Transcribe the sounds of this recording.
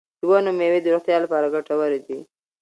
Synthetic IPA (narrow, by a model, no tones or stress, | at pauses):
d̪wanomewid̪ʊɾaxt̪jɑlapɑɾaɡaʈawaɾid̪i